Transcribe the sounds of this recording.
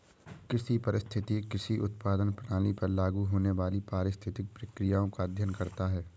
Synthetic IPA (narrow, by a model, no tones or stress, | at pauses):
kɪsipɐɾɪst̪ʰɪt̪ikɪsiʔʊt̪̚paːd̪ənpəɽaːnipɐɾlaːɡuɦoːneʋaːlipaːɾɪst̪ʰɪt̪ɪk̚pɾɐkɾijaːõkad̪ʱjənkɐɾt̪aɦɛː